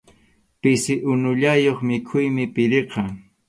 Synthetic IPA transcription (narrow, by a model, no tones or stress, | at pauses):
pɪsɪʔʊnʊʎajoχmɪkʰʊjmɪpɪɾeqɑŋ